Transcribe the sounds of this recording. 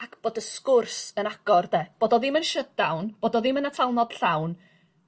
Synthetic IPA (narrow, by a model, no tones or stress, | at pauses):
akʰb̥oːdəskʊrsənaɡ̥ɔrdeb̥oːdɔðɪmənʃədawnb̥oːdɔðɪmənatʰalˠnɔd̥ɬawn